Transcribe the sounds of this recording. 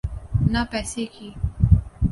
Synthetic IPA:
napɛːsekiː

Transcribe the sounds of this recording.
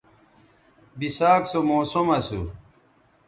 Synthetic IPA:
bisaːksomoːsomɐsṵ

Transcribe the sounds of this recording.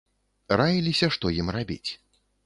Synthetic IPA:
rajilʲisʲɐʂt̪ɔjimrabʲḭt͡sʲ

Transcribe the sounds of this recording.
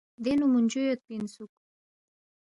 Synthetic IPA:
d̪enumunʲd͡ʒujot̪̚pinsuk

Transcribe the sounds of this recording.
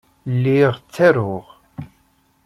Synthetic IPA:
lːiʁt͡sːæɾʊʁ

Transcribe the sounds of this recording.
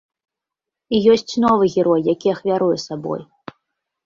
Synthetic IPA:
ijɔsʲt͡sʲnɔvɨɣʲɛɾɔjːakʲiɐxvʲaɾujɛsabɔ̰j

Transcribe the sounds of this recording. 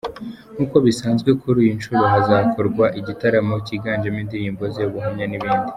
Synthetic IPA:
nuːko̞βisaːnzɡwe̞kʰuɾijinʃuɾoɦazaːkʰoɾɡwaʔiɟitaɾamociɡaːnd͡ʒemindiɾiːmbozeβuɦamɲaniβiːndi

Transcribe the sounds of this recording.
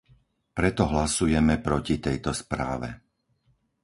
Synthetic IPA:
pɾɛt̪ɔɦlasujɛmɛpɾɔcit̪ɛjt̪ɔspɾa̰ːʋɛ̰

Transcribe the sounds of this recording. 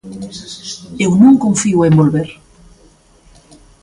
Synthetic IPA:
ewnũŋkõɱfiuembolβeɾ

